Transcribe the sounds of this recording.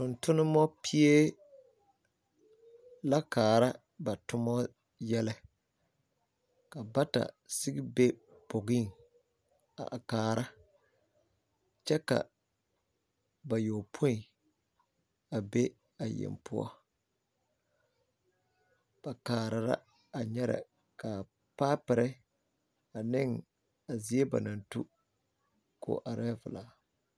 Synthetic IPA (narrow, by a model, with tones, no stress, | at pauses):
tʊ˨ntʊ˦nɪ˦mɔ˦pʰi˦e˦ | la˦kaː˨ɾa˦ | ba˨tʊ˦mɔ˦ | jɛ˦lɛ˦ | ka˨ba˦ta̰˨sɪ˦ɡɪ˦be˦ | bo˨ɡi˦˨ŋ | a̰˨kaː˨ɾa˦ | t͡ʃɛ˦ka̰˨ | ba˨joː˨pʰo˦i˨ | a˨be˦ | a˨jɛ̰˨mpʰʊ˦ɔ̰˦ | b̥a˨kaː˨ɾa˨ɾa̰˦ | a˨ɲɛ˦ɾa̰˨ | ka˨ | paː˦pɪ˨ɾɛ˦ | a˨nɪ˦ŋ | a˨zi˦e˦ba̰˨na˨ntu˦ | kʰo̰ː˨˦ʔa˨ɾɛ˦vɪ˨laː˦